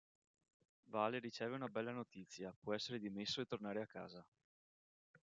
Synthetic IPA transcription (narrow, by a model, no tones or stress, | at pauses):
vaːleɾit͡ʃɛːveunabɛlːanot̪it̪sːjapwɔɛsːeɾed̪imesːoet̪ːornaːɾeakːa̰ːza